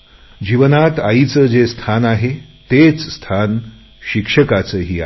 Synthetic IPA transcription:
d͡ʑiʋənat̪ait͡səd͡zest̪ʰanaɦet̪et͡sst̪ʰan | ɕikʂəkat͡səːɦiːa̰

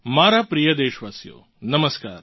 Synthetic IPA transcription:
maːɾapɾijɐd̪eːʃʋaːsjo̰ː | nɐməskaːɾ

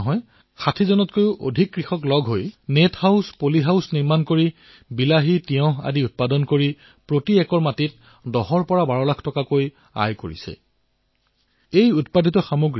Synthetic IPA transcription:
ɦɔj | xatʰizɔnɔtkojʊʔodʱikːɹixɔklɔɡʱɦojnethaʊwspoliɦawsniɹmankoɹi | bilaɦitiɔ̃ɦa̰diut̚padɔnkoɹi | pɹotiɛkɔɹmatit̚ | dɔɦɔɹpɔɹabaɹɔlakʰtɔkakoj | a̰jkoɹḭsɛ̰ | ejutpadʱitɔxamoɡ

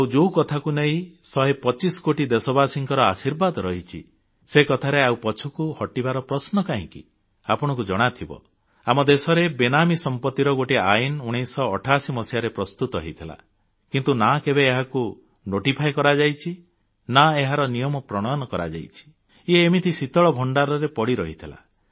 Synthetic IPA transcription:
awd͡ʒowkɔt̪ʰakuneɦĩsɔɦepɔt͡ʃisɔ̥koʈid̪esɔbasiŋkɔɾɔasiɾbad̪ɔɾɔɦit͡ʃʰḭ | sekɔt̪ʰaɾeaupɔt͡ʃʰukuhɔʈibaɾɔpɾɔsnɔkaɦḭ̃kḭ | apɔɽ̃ɔkud͡ʒɔɽ̃at̪ʰibɔ̰ | amɔd̪esɔɾebenamisɔmpɔt̪ːiɾɔɡoʈiainuɽ̃ejsɔːʈʰasimɔsjaɾepɾɔst̪ut̪ɔɦejt̪ʰila̰ | kint̪unakebeːɦaku | noʈipʰajkɔɾad͡ʒajt͡ʃʰi | naeɦaɾɔnijɔmɔpɾɔɽ̃ɔjɔnɔkɔɾa̰d͡ʒa̰jt͡ʃʰi̥ | ieːmit̪ʰisit̪ɔɭɔbʱɔɳɖaɾɔɾepɔɽiɾɔɦit̪ʰila̰

